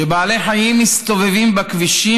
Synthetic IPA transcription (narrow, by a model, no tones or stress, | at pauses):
ebaːle̞ħajimːist̪o̞vevimbakviʃi